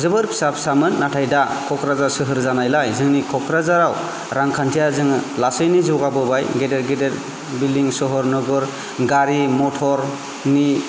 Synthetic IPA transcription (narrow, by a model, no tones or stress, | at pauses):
zɯbɯɾpʰi̥sapʰsamɯnːatʰajda | kʰɔkɾazasɯɦɯɾzanajlajzɯŋnikʰɔkʰɾazaɾaw | ɾaŋkʰantʰijazɯŋlasɯjnizuɡabɯbajɡedeɾɡedeɾ | biliŋsɔɦɔɾnɯɡɯɾ | ɡaɾimɔtʰɔɾ | ni